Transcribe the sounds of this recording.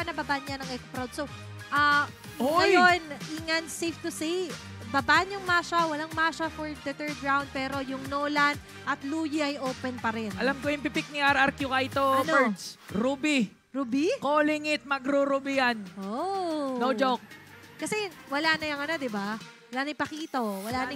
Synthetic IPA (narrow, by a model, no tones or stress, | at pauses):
pɐnɐbabanjɐnɐŋʔɛkspɾawd̪̚so | ʔɐ | oɐjonʔiŋɐnsejft̪ʊsi | bɐbanjʊŋmaːʃɐwɐlaŋmaʃɐfoɹd̪ɐt̪ɛɹɡɹawnd̪̚pɛːɾo̞jʊŋnoːlɐn | ʔɐt̪luːjiʔɐjʔoːpɛnpɐɾɛnɐlamkojɪmpɪpɪk̚nɪʔaɾʔɐɾkjʊkɐɪt̪oɐnɛd̪sɾubi | ɾubikolɪŋɪt̪̚mɐɡɾuɾubɪjanʔonnowd͡ʒok̚kɐsɛwɐlanɐjɐŋɐnod̪ɪba | wɐlanɐjpɐkiːt̪ɐwɐlaːn